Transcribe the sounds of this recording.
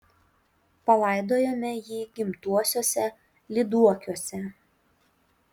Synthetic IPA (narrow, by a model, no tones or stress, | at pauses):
pɐlˠɐˑɪd̪oːjoːmʲɛjiːɡʲɪmt̪uɔsʲoːsʲɛ | lʲɪd̪uɔkʲuɔsʲɛ